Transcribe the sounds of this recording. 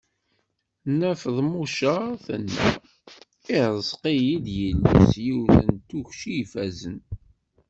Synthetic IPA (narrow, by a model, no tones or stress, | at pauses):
næfðˤmuʃəθənːæ̰ | iəzˤqijid̪jəlːə̰sjuwθənt̪ːuçʃijfæzən